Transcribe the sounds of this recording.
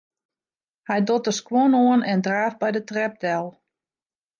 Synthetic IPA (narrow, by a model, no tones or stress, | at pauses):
hɛjdotəskwɔnoənɛndraːfbɛjdətrɛb̚dɛlˠ